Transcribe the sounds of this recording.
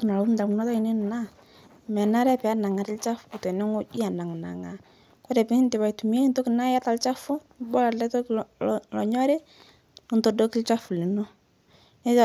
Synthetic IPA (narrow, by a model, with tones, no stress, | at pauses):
kna˨lu˦m˦da˨knɔ˦tɔ˦i˨nɪ˦n˨na˦ | mɛ˨na˦ɾɛ˦pɛ˨a˦na˨ŋa˨ɾɪ˦lt͡ʃa˦fʊ̥˨ku˨tɔ˨nɛ˦ŋo˦d͡ʒi˦a˨na˨ŋ˨na̰˨ŋa˨ | kɔ˦ɾɛ˨pɪ˦ŋ˦ntɪ˨ba˨jtu˨mi˦e˦ntɔ˦kɪ˨na˦ja˦ta˨lt͡ʃa˦fʊ˦bɔ˦la˨lɛ˦tɔ˦klɔ˨ɲɔ˦ɾɪ˦˨ | ntɔ˨dɔ˦kɪ˦lt͡ʃa˦fu˨lɪ˨nɔ˦ | nɛ˦t͡ʃ